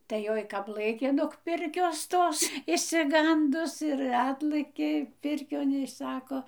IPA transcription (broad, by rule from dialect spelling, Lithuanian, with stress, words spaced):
tɐɪ ˈjoːj ˈkɐp ˈlˠɘkʲeː noːk ˈpʲɪrʲkʲoːs ˈtoːs ɪʃʲsʲɪˈɡɐndʊs ɪr ˈɑːtlˠɘkʲeː ˈpʲɪrʲkʲoːn ɪ ˈsɑːkoː